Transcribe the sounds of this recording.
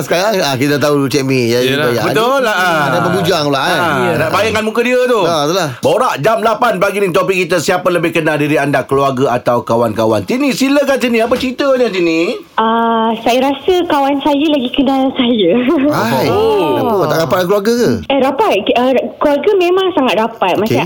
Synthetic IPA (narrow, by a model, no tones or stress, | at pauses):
səkaɾaŋakit̪at̪auut͡ʃɛʔmĩjaaja̰bət̪olaadapəɡud͡ʒaŋlaʔajənaʔbajaŋkanmuŋkədiət̪oot̪ulahboɾaʔd͡ʒamlapanpaɡinĩt̪̬opɪkːit̪əsiapələbɪhkənaldiɾiandakəluarɡəat̪awkawankawa̰nt̪inĩsiləkant̪inĩap̬ət͡ʃəɾit̪əoɲat̪inĩ | əsajəɾasəkawansajəlaɡikənalsajəajnaut̪aʔɡapat̪̚lakluaɾɡəkəəɾapat̪̚əkluarɡəmẽmãŋsaŋat̪̚ɾapat̪̚maa